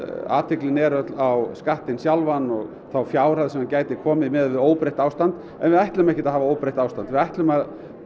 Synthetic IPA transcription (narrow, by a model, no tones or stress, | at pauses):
a̰ːt̪ʰɪklɪnɛɾœt̪lawskaht̪ɪnsjawlvanːɔɣ | θawfjaːwɾ̥aðsɛmacaːjt̪ɪkʰɔːmɪmɛðvɪðoːwpɾejht̪aːwst̪ant̪ | ɛ̰nvɪðajht̪lʏmɛhcɪt̪aɦaːvaoːwpɾejht̪aːwst̪ant̪vɪðajht̪lʏmað